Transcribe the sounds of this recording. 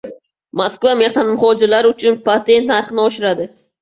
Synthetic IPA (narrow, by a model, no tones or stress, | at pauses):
maskvame̞hnanmʊχɒd͡ʒɪɾlaɾʊt͡ʃʰʊnpʰat̪ʰe̞nt̪naɾχɨnɪɒʃɪɾad̪ɪ